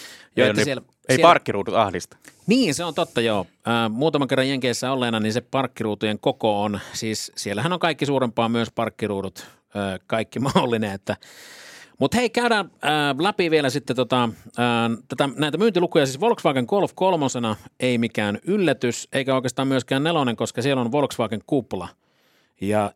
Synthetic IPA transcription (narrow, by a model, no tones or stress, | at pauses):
joenæsiel | esiɑrkːiruːt̪ut̪ɑ̰hlist̪ɑ̥niːnseont̪ot̪ːɑjoː | əːmuːt̪ɑmɑŋkerːɑjeŋkeˑisːæolːeːnɑninsepɑrkːiruːt̪ujeŋkokoːnsiːssielːæhænoŋkɑikːisuːɾempˑɑːmyøspɑrkːiruːdut̪ | əːkɑikːimɑolːineet̪ːæ | mut̪heikæyɾæəːlæpiʋielæsit̪ːet̪ot̪ɑəːt̪æt̪ænæˑit̪æmyːnt̪ilukujɑsiːsʋolksʋɑːkeŋkolfkolmosenɑeimikæːnylːæt̪yseikæoˑikeːst̪ɑːmyøskæːnneloneŋkoskɑsielonʋolksʋɑːkeŋkupːlɑ̰ | jɑ